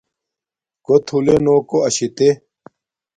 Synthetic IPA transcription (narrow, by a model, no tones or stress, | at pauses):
kot̪ʰulenoːkoɐɕit̪e